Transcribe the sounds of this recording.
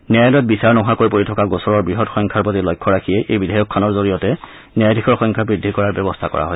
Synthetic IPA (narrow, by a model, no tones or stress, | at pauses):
njajljɔt̚bisaɹnɔɦakoɹjpoɹitʰɔkaɡosɔɹɔɹbɹiɦɔtxɔŋkʰaɹpotilɔjkʰːɔɹakʰijɛʔejbidʱajɔkʰːanɔɹzoɹijɔtɛ | njajdʱikʰɔɹxɔŋkʰabɹidʱːikɔɹaɹbɛbɔstʰakɔ̰ɹa̰ɦɔ̰